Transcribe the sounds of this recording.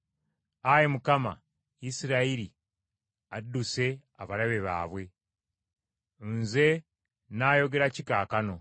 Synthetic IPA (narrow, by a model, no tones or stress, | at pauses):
ajemukama̰ | isiɾaiɾi | adːuse̞ | aβaɾaβe̞βa̰ːβwe̞ | nze̞ | naːjo̞ɡe̞ɾacikaːkano̞